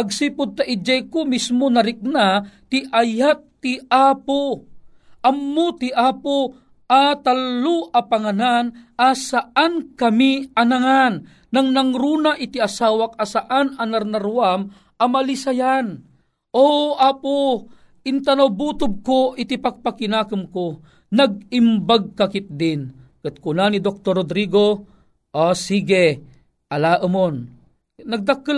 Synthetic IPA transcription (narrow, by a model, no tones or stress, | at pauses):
aɡ̚siːpʊd̪̚t̪aʔid͡ʒajkomismonɐɾɪk̚nat̪ɪʔajat̚t̪ːɪaːpo | ʔɐmːot̪iʔaːpo | ʔat̪alːoʔapaŋananʔasaʔankɐmiɐnaŋanː | aŋnaŋɾuːnaʔɪt̪ɪasaːwak̚asaʔanɐnɐɾnɐɾuwam | ɐmɐlisajan | ʔoʔaːpo | ʔɪnt̪ɐnawbuːt̪ʊb̚koʔɪt̪ɪpak̚pakɪnaːkɨmko | nɐɡ̚ɪmbaɡ̚kakɪt̪̚d̪ɪnkɨt̪̚kʊnanid̪ok̚t̪oɾod̪ɾiɡo | ʔosiːɡe | ʔɐlaːʔəmon | nɐɡ̚d̪akɨ